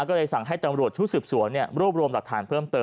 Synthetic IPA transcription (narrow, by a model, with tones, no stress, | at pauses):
kɔː˥˩lɤː˧jsa˨˩˦ŋɦa˥˩jt̪a˧mɾu˨˩ət̪̚t͡ɕʰu˦˥sɯː˨˩p̚su˨˩˦ənːi˥˩ɐɾu˥˩p̚ɾu˧əmla˨˩k̚t̪ʰa̰ː˩˦˥npʰɤː˥˩mt̪ɤː˧